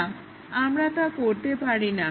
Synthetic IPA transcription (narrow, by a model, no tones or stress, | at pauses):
amɾat̪akoɾt̪epaɾina